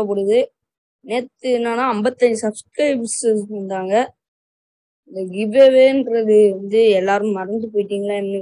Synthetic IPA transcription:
ɐpoːɽɯðɯ | neːt̪ːɯnːaːnaːɐmbɐt̪ːɐɲd͡ʒɯsɐbskɾɐɪbsɐnd̪aːŋɡɐ | ɪnd̪ɐɡibeːʋeːnɾɐðɯʋɐnd̪ɯɛlːaːɾɯ̃mːɐɾɐnd̪ɯp̬oːjɪʈːiːŋɡɐɭaːɛpːɐni

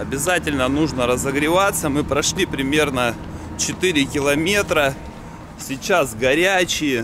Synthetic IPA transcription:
ɐbʲɪzatʲɪlʲnənuʐnəɾəzəɡɾʲɪvat̪səmɨpɾɐʂlʲipɾʲɪmʲe̞rnə | t͡ɕɪt̪ɨɾʲɪkʲɪlˠɐmʲe̞t̪ɾə | sʲɪt͡ɕasɡɐɾʲæt͡ɕɪjɪ

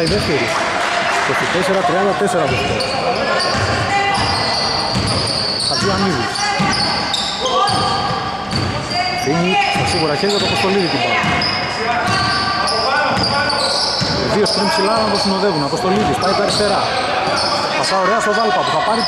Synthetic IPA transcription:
iðeft̪eɾi | t̪otit̪eseɾɐt̪ɾiɐnd̪ɐt̪eseɾɐðeft̪ḛɾ | θɐt̪ianiðis | iɲit̪ɐsiɣuɾɐçeɾʝɐt̪opost̪o̞liðit̪ipat̪ | eðiospɾimpsilanɐt̪osino̞ðevunɐpost̪o̞liðispaikɐɾist̪e̞ɾɐ | θɐaoɾeɐsovalp̪ɐt̪uθɐpɐɾi

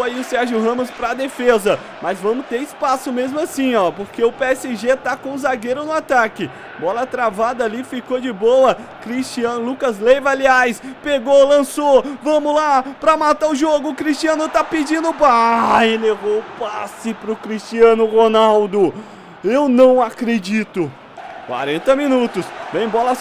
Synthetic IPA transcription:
aiʊsɛɾʒʊɦɐ̃mʊspɾɐd̪efezɐ | mɐzvɐ̃mʊst̪eɾispasʊmezmʊasĩɔpoɾkeʊpeɛsɪʒet̪akõʊzaɡeɾʊnʊat̪akɪ | bɔlɐt̪ɾavad̪ɐːlifikod͡ʒɪbowɐkɾist͡ʃiɐ̃lukɐzlejvaliajspeɡolɐ̃sovɐ̃mʊlapɾɐmat̪aʊʒoɡʊkɾist͡ʃiɐ̃nʊt̪apɪd͡ʒĩnd̪ʊpajlevoʊpasɪpɾʊkɾist͡ʃiɐ̃nʊʁonawd̪ʊ | ewnɐ̃w̃akɾed͡ʒit̪ʊ | kwa̰ɾẽnt̪ɐmĩnut̪ʊsvẽj̃bɔlɐ

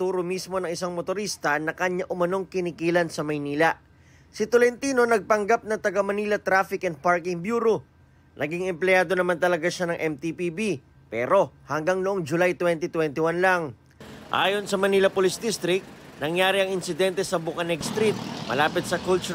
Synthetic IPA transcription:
t̪uːɾomismo̞nɐŋɪsaŋmot̪oɾist̪ɐnɐkɐɲaʔʊmɐno̞ŋkɪnɪkiːlɐnsɐmɐjniːlɐ | sɪt̪olɛnt̪iːno̞nɐɡ̚pɐŋɡap̚nɐŋt̪ɐɡɐmɐniːlɐt̪ɾaːfɪkɛnd̪̚paɹkɪŋbjuːɾo̞ | nʔɐɡiŋɛmplɛjaːd̪o̞nɐmant̪ɐlɐɡaʃanɐŋʔɛmt̪ipibi | pɛ̰ɾo̞hɐŋɡaŋnʊʔo̞ŋd͡ʒʊlajt̪wɛnt̪it̪wɛnt̪ɪwanlaŋ | ʔa̰ːjo̞nsɐmɐniːlɐpolɪsd̪ist̪ɾɪk̚t̪̚nɐŋjaːɾiɐŋɪnsɪd̪ɛnt̪ɛsɐbʊkɐnɛɡst̪ɾit̪̚mɐ̰laːpɪt̪̚sɐkult͡ʃʊ

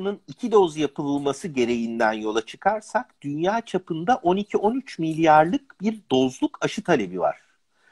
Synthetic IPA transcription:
nɯnicʰid̪o̞zjapʰɯlˠɯlˠmasɯɟe̞ɾe̞jind̪ænjo̞lˠat͡ʃʰɯ̥kʰaɾsakd̪ynjaːt͡ʃʰapʰɯnd̪aʔo̞nicʰiʔo̞nyt͡ʃmilʲjaɾlˠɯk̚b̥iɾd̪o̞zlˠukaʃɯt̪ʰalʲe̞biva̰ɾ̥

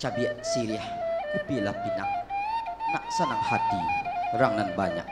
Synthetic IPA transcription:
t͡ʃabiaʔsiɾiaħkupilapina̰ʔ | naʔsanaŋhat̪iɾaŋnanbaɲa̰ʔ

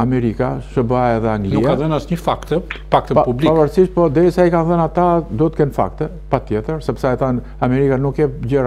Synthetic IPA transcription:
amɛɾikaʃəbaɛðɛaŋɡlnuikaaðənasɲəfakt̪ɛfakt̪əppublipavaɾsiʃt̪̚pɔd̪ɛɾisaikanθənat̪ad̪ɔt̪əkɛnfa̰kt̪ɛ | pat̪jɛt̪əɾsɛpsajat̪an | amɛɾikanukɛɟəɾ

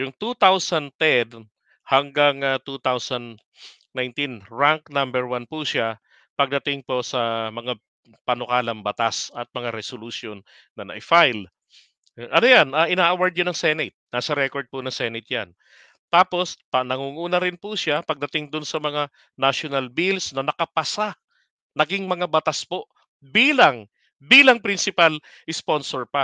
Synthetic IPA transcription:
jʊŋt̪ut̪awsɐnt̪ɛd̪ | hɐŋɡaŋat̪ut̪awsɐnd̪ | najnt̪inɹaŋk̚nambɛɹwanpuʃa | pɐɡ̚d̪ɐt̪ɪŋposɐmɐŋa | pɐnʊkaːlɐŋbɐt̪asɐt̪̚mɐŋaɾɛsolusjonː | ɐnɐ̰ʔɪfajl | ʔɐnojanɐʔɪnaːʔɐwaɹd̪̚ɲʊnɐŋsɛnɪt̪̚naːsɐɾɛkoɹd̪̚ponɐŋsɛnɪt̪̚ja̰n | t̪aːpo̞spɐnɐŋuːŋuːnɐɾɪnpuʃapɐɡ̚d̪ɐt̪ɪŋd̪ʊnsɐmɐŋa | naʃonɐlbilsnɐnɐkɐpɐsa | nɐɡɪŋmɐŋabɐt̪aspo̞ʔ | biːlɐŋ | biːlɐŋpɾɪnsɪpal | ʔɪsponsoɹpɐ

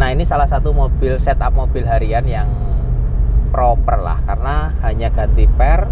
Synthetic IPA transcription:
nainisalahsat̪umob̥ɪlsɛt̪ap̚mob̥ɪlɦaɾianjaŋ | pɾopərla̰hkarna | haɲaɡ̥a̤t̪ipɛr

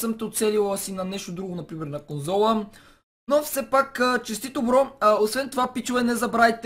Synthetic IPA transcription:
səmt̪ɛot̪sɛlilˠəsinɐnɛʃt̪od̪ɾuɡonɐpɾimɛɾnɐkonzɔlˠə | nofsɛpakət͡ʃɛst̪it̪obɾɔosvɛnt̪ovapit͡ʃovɛnɛzɐbɾait̪

